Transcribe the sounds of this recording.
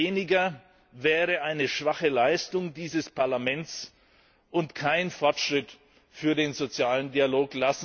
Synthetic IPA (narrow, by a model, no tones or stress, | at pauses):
eːnɪɡɐ | vɛːʁəʔaɪnəʃv̥aχəlaɪstʊŋdiːzəspʰaɐlamɛntt͡s | ʔʊntkʰaɪnfɔɐtʃʁ̥ɪt | fyːɐdeːnzot͡sjaːləndialoːklasn̩